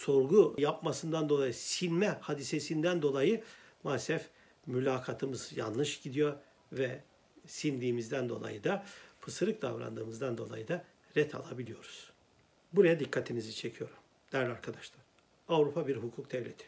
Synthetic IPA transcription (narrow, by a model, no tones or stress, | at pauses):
so̞ɾɡujapmasɯnd̪and̪oajɯsinmɛhad̪isesind̪ænd̪o̞lˠajɯ | masɛf | mylʲaːkʰat̪ʰɯmɯzja̰nlˠɯʃɟ̥id̪ijo̞ɾ | vɛ | sind̪ʲiːmizd̪ænd̪o̞̰lˠa̰jɯd̪apʰɯsɯɾɯk̚d̪a̰vɾa̰nd̪ɯːmɯzd̪and̪o̞lˠa̰jɯd̪a | ɾɛt̪ʰa̰lˠa̰bilʲijo̞ɾuz̥ | buɾajad̪ikʰːat̪ʰinizit͡ʃʰe̞cʰijo̞ɾum | d̪̥æɾlʲaɾkʰad̪aʃlˠaɾ̥ | avɾupʰabiɾɦukʰuk̚d̪ɛvlʲet̪ʰi̥